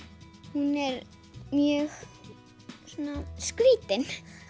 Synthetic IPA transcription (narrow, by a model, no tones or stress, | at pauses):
hunɛɾ | mjœx | sunːaskviːt̪ɪn